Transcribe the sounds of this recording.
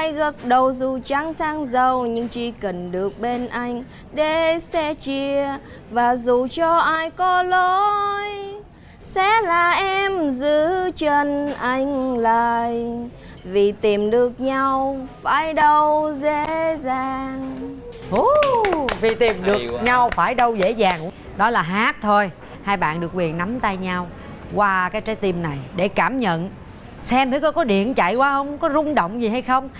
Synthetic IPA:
ʔaː˧jɣə˨˦˩t̚ɗə˨˩wzu˨˩t͡ɕa˧˦ŋsaː˧ŋzə˨˩wɲɨ˧ŋt͡ɕi˧˦kə˨˩nɗɨ˨˩ək̚ɓe˧nʔa˧jŋ̟ | ɗe˧˩˦sɛ˧t͡ɕi˧ə | vaː˨˩zu˨˩t͡ɕɔ˧ʔaː˧jkɔ˧˦lo˧j | sɛ̰˧˥laː˨˩ʔɛ˧mzɨ˧˦t͡ɕə˧˩nʔa˧jŋ̟laː˨˩j | vi˨˩t̪i˨˩mɗɨ˨˩ək̚ɲa˧wfaː˧˩jɗə˧wze˧˥zaː˨˩ŋʔu˧vi˨˩t̪i˨˩mɗɨ˨˩ək̚ɲa˧wfaː˧˩jɗə˧wzḛ˧˥zaː˨˩ŋk | ɗɔ˨˦laː˨˩ɦaː˦˥t̚t̪ʰo˧j | haː˧jɓa̰ː˧˨nɗɨ˨˩ək̚wi˨˩ənna˨˦mt̪a˧jɲa˧w | kwaː˧kaː˨˦jt͡ɕaː˨˦jt̪i˧mna˨˩jɗe˧˩kaː˧˩mɲə̰˧˨n | sɛ˧mt̪ʰɨ˨˦kɔ˨˦kɔ˨˦ɗḭ˧˨ənt͡ɕa̰˧˨jkwaː˧hə˧wŋ͡mkɔ˨˦zʊ˧ŋ͡mɗə̰˧˨wŋ͡mzi˨˩ɦa˧jxə˧wŋ͡m

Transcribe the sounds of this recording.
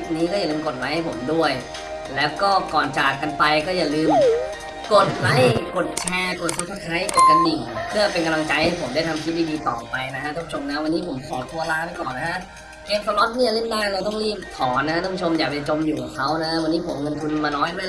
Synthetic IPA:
niː˦˥kɔː˥˩ja˨˩lɯː˧mko˨˩t̪̚la˦˥jha˥˩jpʰo˩˦mdu˥˩əj | lɛː˦˥wkɔː˥˩kɔː˨˩nt͡ɕaː˨˩ka˧npa˧jkɔː˥˩jaː˨˩lɯː˧m | ko˨˩t̪̚la˦˥jko˨˩t̪̚t͡ɕʰɛː˧ko˨˩t̪̚su˨˩sa˧˩kʰɾa˦˥jko˨˩t̪̚ka˧ndi˨˩ŋpʰɯ˥˩ɐpe˧nka˧mla˧ŋt͡ɕa˧jha˥˩jpʰo˩˦mdaː˥˩jt̪ʰa˧mt̪ʰiː˦˥biː˧biː˧t̪ɔ̰ː˨˩ŋpa˧jna˦˥kʰa˦˥a˥˩pʰu˦t͡ɕʰo˧mna˦˥wa˧nːiː˦˥pʰo˩˦mkʰɔː˨˩˦t̪ʰu˧ɐlaː˦˥da˥˩jkɔː˨˩nːa˦˥a˦˥ | keː˧msʰaː˧lɔ˦˥t̪̚ni˥˩a˨˩le˥˩ndaː˥˩ɾa˧wt̪ɔ˥˩ŋɾiː˥˩p̚t̪ʰɔː˩˦nːa˧˥a˥˩pʰu˦t͡ɕʰo˧mjaː˨˩k̚t͡ɕa˨˩t͡ɕo˧mjuː˨˩kʰa˨˩kʰa˦˥wna˦˥wa˧nːiː˦˥pʰo˩˦mŋɤ˧nt̪ʰu˧nmaː˧nɔː˦˥jdu˥˩˨

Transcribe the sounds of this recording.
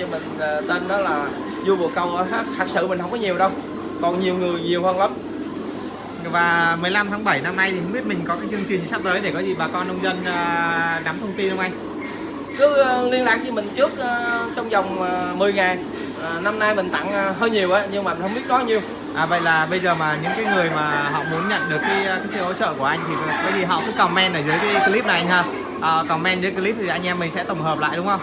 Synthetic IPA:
ɲɨ˧˩mï˨˩ŋ̟ː˨˩t̪e˧nɗɔ˨˦laː˨˩ | zu˧vṵ˨˩əkə˨˩wʔə˧˦ɦaː˦˥k̚t̪ʰaː˨˩k̚sɨ̰˧˨mi˨˩ŋ̟hə˧wŋ͡mkɔ˨˦ɲi˨˩əwɗə˧w | kɔ˨˩nɲi˨˩əwŋɨ˨˩əjɲi˨˩əwhəː˧nlə˨˦m | vaː˨˩mɨ˨˩əjla˧mt̪ʰaː˨˦ŋɓə˧˩jna˧mna˧jt̪ʰi˨˩hə˧wŋ͡mɓi˦˥ət̚mï˨˩ŋ̟kɔ˨˦kaː˨˦jt͡ɕɨ˧əŋt͡ɕi̟˨˩˨sa˦˥t̚t̪əː˨˦jɗe˧˩kɔ˨˦zi˨˩ɓaː˨˩kɔ˧nːə˧wŋ͡mzə˧nː˨˩na˨˦mt̪ʰə˧wŋ͡mt̪i˧nhə˧wŋ͡mʔa˧j | kɨ˨˦˧li˧ənlaː˨˩k̚ɲɔ˧mï˨˩ŋ̟t͡ɕɨ˦˥ək̚ʔəː˨˩t͡ɕɔ˧wŋ͡mzɔ˨˩wŋ͡mːmɨ˨˩əjŋaː˨˩j | ʔːna˧mnaː˧jmï˨˩ŋ̟t̪a̰˧˥ŋː˨˩ɦəː˧jɲi˨˩əwʔaː˨˦ɲɨ˧ŋmaː˨˩m˨˩nhə˧ŋ͡mɓi˦˥ət̚kɔ˨˦ɲi˨˧˩əw | ʔaː˨˩və̰˧˨jlaː˨˩ɓə˧jzəː˨˩maː˨˩ɲɨ̰˧˥ŋkaː˨˦jŋɨ˨˩əjmaː˨˩ɦɔ̰˧˨mu˨˦ənɲə̰˧˨nɗɨ˨˩əkːaː˨˦jkaː˨˦jsḭ˧˨ʔo̰˧˥t͡ɕə̰ː˧˨ku˧˩əʔa˧jŋt̪ʰi˨˩˨kɔː˨˦zi˨˩ɦɔ̰˧˨kṵ˧˦kɔ˨˩mɛ˧nɗəː˧˩zɨː˨˦jkaː˨˦jki˧li˦˥p̚na˨˩ɲaː˧˩ | ʔəː˨˩kɔ˨˩mɛ˧nzɨ˨˦ki˧li˦˥p̚t̪i˨˩ʔa˧jŋ̟ʔɛ˧mːï˨˩ŋ̟sɛ̰˧˥t̪ə˧˩ŋ͡mɦəː˨˩p̚la̰ː˧˨jɗʊ˨˦ŋ͡mhə˧wŋ͡m

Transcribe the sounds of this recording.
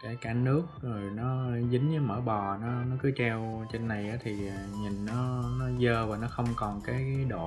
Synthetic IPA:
kaː˧˩kaː˧˩nɨ˦˥ək̚zo˨˩jnɔ˨˦˧zi˨˦ŋɲɨ˨˦məː˧˩ɓɔ˨˩nɔ˨˦nɔ˨˦kɨ˨˦t͡ɕɛ˧wt͡ɕe˧nːa˨˩jʔaː˨˦t̪ʰi˨˩aː˨˩ɲi˨˩nːɔ˨˦nɔ˨˦zəː˧vaː˨˩nɔ˨˦xə˧wŋ͡mkɔ˨˩nkaː˨˦jaː˨˦jɗo̰˧˨

